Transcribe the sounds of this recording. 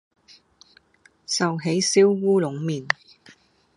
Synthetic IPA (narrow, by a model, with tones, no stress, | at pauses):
sɐ˨wɦe˨˥jsiː˥wːuː˥lʊ˨˥ŋmiː˨˩n